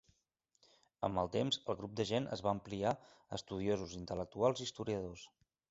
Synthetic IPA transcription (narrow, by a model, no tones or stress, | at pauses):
ə̰məlˠt̪emzəlˠɣɾub̚d̪əʒenʔə̰zβaəmplia | ə̰st̪uð̞iozuzint̪ələk̚t̪ualˠzist̪uɾiəðos